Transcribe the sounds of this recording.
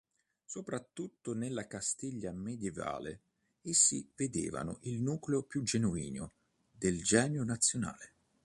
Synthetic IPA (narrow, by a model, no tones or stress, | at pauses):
sopɾat̪ːut̪ːʊnelːakast̪iʎːamed̪jɛva̰ːlḛ | esːived̪ḛːva̰nʊ̰ʔilnuːkleopjud͡ʒenuḭːnʊ | d̪eld͡ʒɛːnjʊnat̪sːjona̰ːle